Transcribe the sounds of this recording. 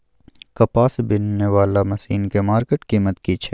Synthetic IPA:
kɐpaːsbɪnːeʋaːlamɐsiːnkemaːɾkeʈkiːmət̪kit͡ʃʰe

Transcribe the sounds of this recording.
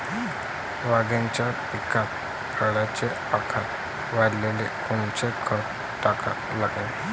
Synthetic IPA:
ʋaɡjãɲt͡ɕjapikat̪̚ | pʰəɽat͡ɕe | akʰat̪̚ | ʋaɽlelekuɳt͡ɕekʰəɾ | ʈaka̰t̪laɡẽ

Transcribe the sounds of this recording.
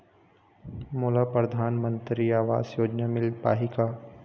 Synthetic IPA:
moːlapɾɐd̪ʱaːnmə̃nt̪ɾiaːʋa̰ːzjoːd͡ʒnamɪlpa̰ːɦika

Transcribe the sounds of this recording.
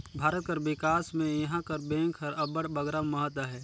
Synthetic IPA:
bʱaːɾət̪̚kəɾwɪkaːsmẽjɐɦãkɐɾbẽːŋkʰəɾɐbəɽbəɡɾaməɦət̪ːəɦɛː

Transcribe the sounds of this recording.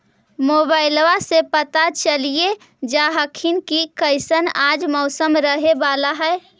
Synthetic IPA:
moːbaːɪlʋasepət̪at͡ʃəlie | d͡ʒaːɦəkʰinkikəɪsənaːd͡ʒmɔʊsəmɾəɦebaːlaɦɛː

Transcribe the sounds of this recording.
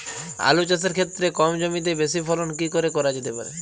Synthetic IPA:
a̰lut͡ʃas̬eɾkʰet̪ːɾekɔmd͡ʑomit̪̬ebesipʰɔlonkikoɾekɔɾad͡ʑet̪epa̰ɾḛ

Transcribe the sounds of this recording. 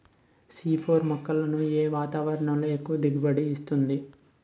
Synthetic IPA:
siːpʰoːɾmɐkːɐlɐnueːʋaːt̪aːʋɐɾɐɳɐmlɐekuʋɐd̪iɡibɐɽiːst̪und̪i

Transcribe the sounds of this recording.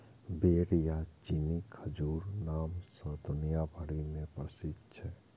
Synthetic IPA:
beːɽjat͡ʃinikʰəd͡ʒuːɾnaːmsəd̪ʊnijabʱəɽimẽpɾəʃɪt̪ːt͡ʃʰɛ

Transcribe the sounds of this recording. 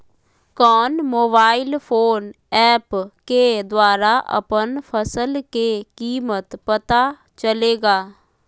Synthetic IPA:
kɔːnmoːbaːɪlpʰoːn | ɛːpked̪waːɾaːʔə̰pənpʰəsəlkekiːmət̪pət̪a | t͡ʃəleːɡaː

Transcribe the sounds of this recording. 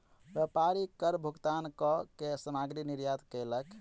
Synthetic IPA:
ɾəpaɾikəɾbʱuɡt̪ankɔkesəmaɡɾiniɾjat̪kələk

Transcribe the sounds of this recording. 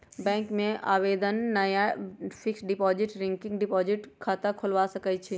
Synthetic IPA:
bɛ̃ːŋkmẽa̰ːʋeːd̪ənːɐjapʰɪksɖɪpɔːd͡ʒɪʈɾɪ̃ŋkɪ̃ŋɡɖɪpɔːd͡ʒɪʈkʰaːt̪akʰʊlʋasəkət͡ʃʰi

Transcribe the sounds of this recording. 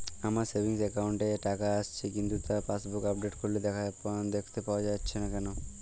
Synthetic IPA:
amaɾsebʱiŋsekawɳʈeʈakaast͡ɕʰikint̪ut̪afasbukabɖeʈkoɾled̪ɛkʰaapond̪ekʰt̪epaoad͡ʑatːɕʰenakɛno

